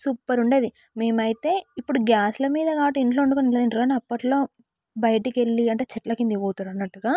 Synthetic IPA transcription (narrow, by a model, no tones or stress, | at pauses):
suːpːɐɾuɳɖeːd̪i | me̞ːmɐjit̪e̞ːipːuɽuɡjaːslɐmiːd̪ɐɡaːʈuiɳʈlo̞ːuɳɖukonilɐd̪iɳʈɾuɡaːniɐpːɐʈlo̞ː | bɐjɐʈike̞lːiɐɳʈe̞ːt͡ʃɛʈlɐkind̪iʋoːt̪uɾɐnːɐʈːuɡaː